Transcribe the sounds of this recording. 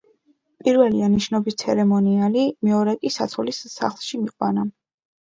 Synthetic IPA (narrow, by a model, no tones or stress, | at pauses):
pʼiɾvɛlianiʃnɔbist̪sʰɛɾɛmɔnialimɛɔɾɛkʼisa̰t̪sʰɔlisːa̰χlˠʃimiqʼwa̰na